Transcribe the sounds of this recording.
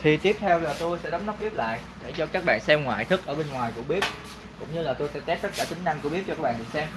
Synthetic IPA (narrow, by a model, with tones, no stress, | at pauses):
t̪ʰi˨˩t̪i˦˥əp̚t̪ʰɛ˧wlaː˨˩t̪o˧jsɛ̰˧˥ɗɔ˨˦wŋ͡mnɔ˦˥p̚ʔi˦˥əp̚la̰ː˧˨jɗe˧˩t͡ɕɔ˧kaː˦˥k̚ɓa̰ː˧˨nsɛ˧mŋwa̰ː˧˨jt̪ʰɨ˦˥k̚ʔəː˧˩ɓe˧nŋwaː˨˩jku˧˩əɓi˦˥ət̚ | kʊ̰˧˥wŋ͡mɲɨ˧laː˨˩t̪o˧jsɛ̰˧˥t̪ɛ˦˥p̚t̪ə˦˥t̚kaː˧˩t͡ɕï˨˦ŋ̟na˧ŋkɓi˦˥əɔ˧kaː˦˥kɓa̰ː˧˨˩ḭ˨sɛ˧m